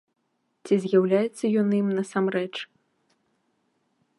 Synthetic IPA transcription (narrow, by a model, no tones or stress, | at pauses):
t͡sʲizʲjawlʲajɛt̪sːɐjɔnimnɐsamrɛt͡ʂ